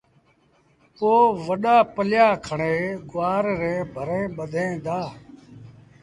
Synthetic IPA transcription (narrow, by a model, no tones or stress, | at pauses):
poːʋəɗaːpəljaːkʰəɳeːɡʊaːɾɾẽːbʱəɾẽːɓəd̪ʱẽːd̪aː